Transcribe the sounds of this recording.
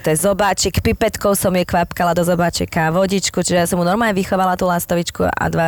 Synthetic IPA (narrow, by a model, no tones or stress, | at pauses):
t̪ɔjɛzɔbaːt͡ʃikpipɛt̪kɔʊsɔmjɛkʋapkalad̪ɔzɔbaːt͡ʃikaʋɔɟit͡ʃkut͡ʃiʒɛjasɔmunɔɾmaːɲɛʋixɔʋalat̪uːlast̪ɔʋit͡ʃkṵʔa̰d̪ʋa